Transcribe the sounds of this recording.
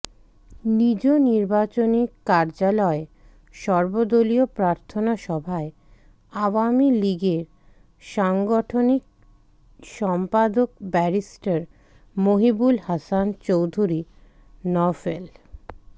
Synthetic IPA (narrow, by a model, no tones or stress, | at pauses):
nid͡ʑoniɾbat͡ɕonikaɾd͡ʑalɔe | ʃɔɾbod̪oliopɾaɾt̪ʰonaʃɔbʱae | awamiliɡeɾ | ʃaŋɡɔʈʰonik̚ | ʃɔmpad̪ok̚bɛɾisʈaɾ | moɦibulhasant͡ɕowd̪ʱuɾi | nɔfel